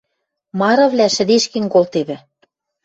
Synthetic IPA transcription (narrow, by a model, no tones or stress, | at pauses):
mɑɾɤ̆βlʲæʃɘ̆d̪eʃkĕŋkolt̪eβɘ̆